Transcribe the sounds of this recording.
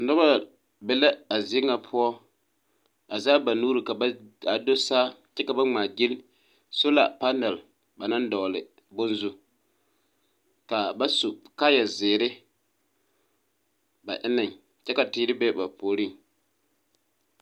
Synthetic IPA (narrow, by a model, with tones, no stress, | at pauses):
dɔ˦ba˦ | bɛ˨la˦a˨zɪ˨ɪ˦ŋa˨pʰʊ˦ɔ˦ | a˨zaː˦ba˨nuː˦ɾi˨ka˨˦a˨do˦saː˦ | t͡ʃɛ˦ka˨ba˦ŋ͡maː˨d͡ʒɪ˦l | so˦la̰˨pa˦nɛ˨l | ba˨na˦ndɔ˨lɪ˨ | bʊ˦nzu˨ | ka˨ba˦su˨ka˦jɛ˨zɪː˨ɾɪ˦ | ba˨ʔɪ˦nɪ˨ŋ | t͡ʃɛ˦ka˨tɪː˦ɾɪ˦be˦ba˨pʰoː˨ɾi˦˨ŋ